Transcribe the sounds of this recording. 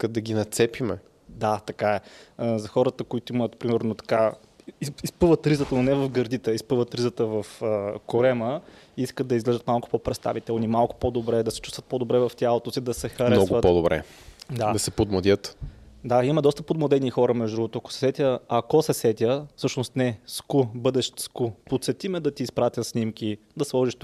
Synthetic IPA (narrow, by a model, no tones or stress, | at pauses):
ikəd̪ɐɡʲinɐt̪sɛpimɛ | d̪at̪ɐkaɛzɐxɔɾət̪əkoit̪oimət̪pɾimɛɾnot̪ɐ̥ka | iispɤvət̪ɾizət̪ənonɛvɐfɡɐɾd̪it̪ɛispɤvət̪ɾizət̪əvɐfəkoɾɛmə | iskət̪d̪ɐizɡlɛʒət̪malˠkʊ̥popɾɛt̪st̪a̰vit̪ɛlˠnimalˠkʊ̥pod̪obɾɛd̪ɐsɛ̥t͡ʃust̪vət̪̚pod̪obɾɛvɐft̪ʲjalˠot̪osid̪ɐsɛxɐɾɛnɔɡ̪ʊvət̪pod̪obɾɛ̰ | d̪ad̪ɐsɛpod̪mɐd̪ʲət̪d̪aimɐd̪ɔst̪əpod̪mod̪ɛnixɔɾəmɛʒd̪d̪ɾuvot̪oɐko̥sɛ̥sɛt̪ʲəɐkosɛsɛt̪ʲəfsɤʃnost̪nɛskubɤd̪ɛʃt̪skupot̪sɛt̪imɛd̪ɐt̪iːspɾat̪ʲəsnimkʲid̪ɐslˠɔʒiʃt̪